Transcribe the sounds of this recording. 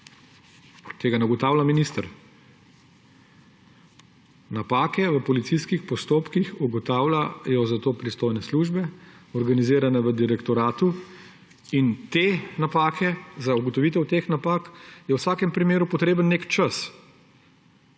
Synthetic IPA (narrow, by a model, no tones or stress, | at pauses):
t̪eːɡanaɡɔt̪aːwlaminist̪əɾ | napaːkɛʋəpɔlit̪sijskixpɔst̪oːpkixuɡɔt̪aːwlajɔzat̪oːpɾist̪oːjnɛsluʒbɛɔɾɡaniziːɾanɛʋəd̪iɾɛkt̪ɔɾaːt̪u | int̪enapaːkʰɛzauɡɔt̪ɔʋiːt̪̬ɛwt̪eːxnapaːkjɛwsaːkɛmpɾimeːɾupɔt̪ɾeːbənːeːkt͡ʃəs